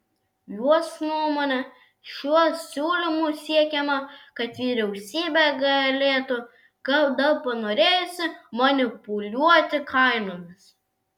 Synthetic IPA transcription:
juɔsnuɔmoːnʲɛ | ʃʲuɔsʲuːlʲɪmuːsʲiɛkʲɛmɐkɐt̪ʋʲiːɾʲɛʊsʲiːbʲɛɡɐlʲeːt̪ʊ | ɡɐlˠd̪ɐlpɐnoːɾʲeːjʊsʲɪmɐnʲɪpʊlʲuɔt̪ʲɪkʰɐɪnoːmʲɪs

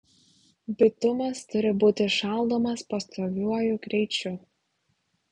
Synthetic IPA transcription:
bʲɪt̪ʊmɐst̪ʊɾʲɪbuːt̪ʲɪʃɑˑlˠˑd̪oːmɐspɐst̪ʰoːʋʲuɔjʊkɾʲɛɪt͡ʃʲʊ

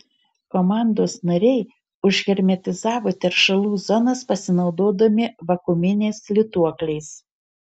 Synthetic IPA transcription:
kɔmɑˑnd̪oːsnɐɾʲɛɪ | ʊʒʲɣʲɛɾʲmʲɛt̪ʲɪzɑːʋoːt̪ʲɛɾʃɐlˠuːzɔnɐspɐsʲɪnɒʊd̪oːd̪ɐmʲɪʋɐkʊmʲɪnʲeːslʲɪt̪uɔklʲɛɪs

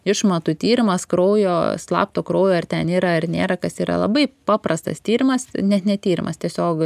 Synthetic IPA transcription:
ɪʃmɐt̪ʊt̪ʲiːɾʲɪmɐskɾoʊjoːslˠɑ̰ːpt̪oːkɾoʊjoːɐrt̪ʲɛniːɾɐɐrnʲeːɾɐkɐsiːɾɐ̰lˠɐ̰bɐɪpɑːprɐst̪ɐ̰st̪ʲiːɾʲɪmɐsnʲɛt̪nʲɛt̪ʲiːɾʲɪmɐstʲiɛsʲoːk

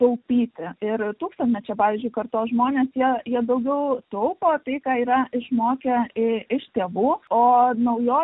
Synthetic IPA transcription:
t̪ɐʊpʲiːt̪ʲɪɪɾt̪uːkst̪ɐnt̪ʲmʲɛt͡ʃʲɛpɑːʋʲiːzʲd͡ʒʲʊɪkɐrt̪oːsʒmoːnʲeːsjiɛjiɛd̪ɐʊɡʲɛʊt̪ɐʊpoːt̪ɐɪkɑːiːɾɐɪʃmoːkʲɛɪɪʃt̪ʲeːʋuːoːnɐʊjoː

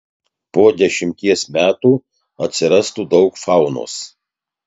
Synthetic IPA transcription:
poːd̪ʲɛʃʲɪmʲt̪ʲiɛsmʲæːt̪uː | ɐt̪ʲsʲɪɾɐst̪uːd̪ɒʊkfɑˑʊno̰ːs

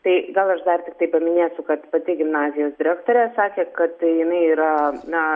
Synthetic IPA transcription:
t̪ɐɪɡɐlˠɐʃd̪ɐrt̪ʲɪk̚t̪ɐɪpɐmʲɪnʲeːsʲʊkɐt̪pɐt̪ʲɪɡʲɪmnɑːzʲɪjoːsd̪ʲɪɾʲæːkt̪oːɾʲɛːsɑːkʲeːkɐt̪jɪnɐɪiːɾɐnɐ

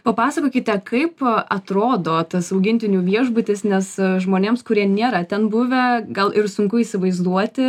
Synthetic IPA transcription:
pɐpɑːsɐkoːkʲɪt̪ʲɛkʰɐɪpɐt̪ɾoːd̪oːt̪ɐsɐʊɡʲɪnʲt̪ʲɪnʲuːʋʲiɛʒbʊt̪ʲɪsnʲɛsʒmoːnʲeːmskʊɾʲiɛnʲeːɾɐt̪ʲɛnbʊʋʲɛɡɐlˠʔɪɾsʊŋkʊiːsʲɪʋɐɪzd̪uɔt̪ʲɪ

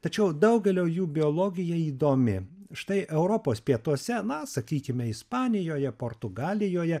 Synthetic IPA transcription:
t̪ɐt͡ʃʲɛʊd̪ɐʊɡʲɛlʲoːjuːbʲɪoːlˠoːɡʲɪjɛiːd̪oːmʲɪʃt̪ɐɪʔɛʊɾoːpoːspʲiɛt̪uɔsʲɛnɐsɐkʲiːkʲɪmʲɛɪspɑːnʲɪjoːjɛpoːɾt̪ʊɡɑːlʲɪjoːjɛ

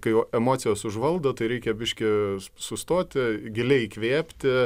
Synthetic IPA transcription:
kɐɪjɛmoːtsʲɪjoːsʊʒʋɐlˠd̪ot̪ɐɪɾʲɛɪkʲɛbʲɪʃʲkʲɪsʊst̪oːt̪ʲɪɡʲɪlʲɛɪkʋʲeːpʲt̪ʲɪ

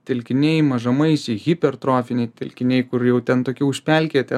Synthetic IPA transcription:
t̪ʲɛlʲkʲɪnʲɛɪmɐʒɐmɐɪsʲɪɣʲipʲɛrt̪ɾoːfʲɪnʲɛɪt̪ʲɛlʲkʲɪnʲɛɪkʊɾjɛʊt̪ʲɛnt̪oːkʲɪʊʃʲpʲɛlʲkʲet̪ʲɛ

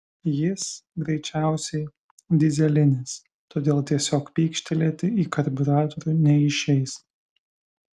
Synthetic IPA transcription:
jɪsɡɾʲɛɪt͡ʃʲæˑʊsʲɛɪ | d̪ʲɪzʲɛlʲɪnʲɪs | t̪oːd̪ʲeːlˠt̪ʲiɛsʲoːkpʲiːkʃʲt̪ʲɛlʲiːt̪ʲɪiːkɐɾʲbʲɪɾɑːt̪oɾʲunʲɛɪʃʲɛɪs

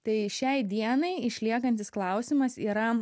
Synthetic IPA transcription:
t̪ɐɪʃʲɛɪd̪ʲiɛnɐɪɪʃʲlʲiɛkɐnʲt̪ʲɪsklˠɐʊsʲɪmɐsiːɾɐ

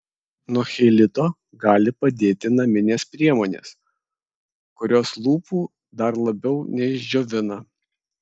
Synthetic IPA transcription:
nuɔxʲɛɪlʲɪt̪oː | ɡɑːlʲɪpɐd̪ʲeːt̪ʲɪnɐmʲɪnʲeːspʲɾʲiɛmoːnʲḛːs | kʊɾʲoːslˠuːpuː | d̪ɐɾlˠɐbʲɛʊnʲɛɪʒʲd͡ʒʲoːʋʲɪnɐ

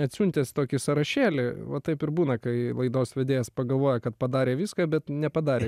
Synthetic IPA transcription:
ɐt̪ʲsʲunʲt̪ʲest̪oːkʲɪsɐɾɐʃʲæːlʲɪʋɐt̪ɐɪpɪɾbuːnɐkɐɪlˠɐɪd̪oːsʋʲɛd̪ʲeːjɛspɐɡɐlˠʋoːjɛkɐt̪̚pɐd̪ɑːɾʲeːʋʲiːskɑːbʲɛt̪nʲɛpɐd̪ɑːɾʲeː

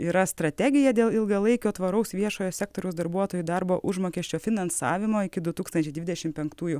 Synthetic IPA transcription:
iːɾɐst̪ɾɐt̪ʲæɡʲɪjɛd̪ʲeːlˠɪlˠɡɐlˠɐɪkʲoːt̪ʋɐɾɐʊsʋʲiɛʃoːjoːsʲæːkt̪oːɾʲɛʊsd̪ɐɾbuɔt̪oːjud̪ɐɾboːʔʊʒmoːkʲɛːʃʲt͡ʃʲoːfʲɪnɐnsɑ̰ːʋʲɪmoːɪkʲɪd̪ʊt̪uːkst̪ɐnʲt͡ʃʲɛɪd̪ʲʋʲɪd̪ʲɛʃʲɪmpʲɛŋkt̪uːjʊ

